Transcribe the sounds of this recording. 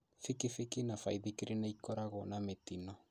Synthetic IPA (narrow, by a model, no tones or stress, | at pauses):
fikifikinafajðikiɾinaikɔɾaɣɔnametinɔ